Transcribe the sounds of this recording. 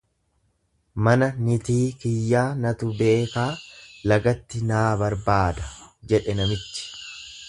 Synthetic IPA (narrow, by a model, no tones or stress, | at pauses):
mɐnɐnɪt̪iːkɪjːaːnɐt̪ʊbe̞ːkaːlɐɡɐt̪ːɪnaːbɐɾbaːd̪ɐd͡ʒɛᶑɛnɐmɪt̪ːɪ̥